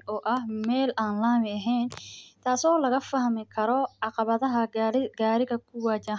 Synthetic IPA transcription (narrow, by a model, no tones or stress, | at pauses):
ʔɔːʔɐhmɛːlʔaːnlaːmɪɐɦɛjnt̪ʰaːsɔːlɐɣɐfɐhmɪkʰɐɾɔʕɑqɑβɐðɐɦɐɡaːɾɪɣɐkʰʊwaːt͡ʃɐ